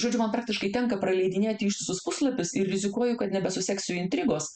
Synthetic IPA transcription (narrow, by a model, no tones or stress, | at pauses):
ʒoːd͡ʒʲʊmɐnpɾɑːk̚t̪ʲɪʃkɐɪt̪ʲɛŋkɐpɾɐlʲɛɪd̪ʲɪnʲeːt̪ʲɪiːʃt̪ʲɪsʊspʊslˠɐpʲɪsɪrɾʲɪzʲɪkuɔjʊkɐt̪nʲɛbʲɛsʊsʲɛksʲʊɪnʲt̪ʲɾʲɪɡoːs